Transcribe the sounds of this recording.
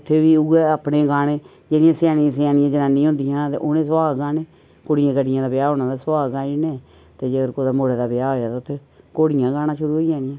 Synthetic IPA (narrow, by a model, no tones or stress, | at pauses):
ʊt̪ʰːeːʋiːʊɡeaːpneːɡaːneː | d͡ʒeːɽɪjãːsjaːnĩãːs̬jaːnɪjãːd͡ʒənaːnĩːɦʊ̃nd̪ɪjãːt̪eːʔoːnẽːsaːɡãːneː | koɽɪjãːkəɖɪjãːd̪aːbɪjaːɦoːnãːd̪aːsʊaːɡãːɪnẽː | t̪eːd͡ʒəɡəɾkod̪aːmoːɽeːd̪aːbɪjaːɦoːjaːt̪aːʊt̪ʰːeː | koːɽɪjãːɡaːnãːʃʊɾuːɦoiːd͡ʒaːnɪjãː